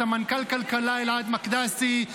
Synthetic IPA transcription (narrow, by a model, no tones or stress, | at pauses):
ɐmɐnkɐlkɐlkɐlaɪlaːd̪mɐkd̪aːst̪i